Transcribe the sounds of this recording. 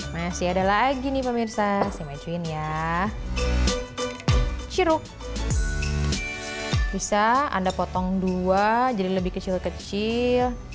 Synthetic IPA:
masiadalaaɡinɪpəmirsasajmad͡ʒuɪnja | t͡ʃiɾʊk̚ | bisaa̰ndapɔt̪ɔŋduad͡ʒadiləbɪhkət͡ʃilkət͡ʃɪl

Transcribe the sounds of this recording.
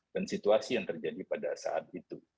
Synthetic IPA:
kansit̪uasijaŋt̪ərd͡ʒadipadasa̰ʔa̰t̪̚it̪u

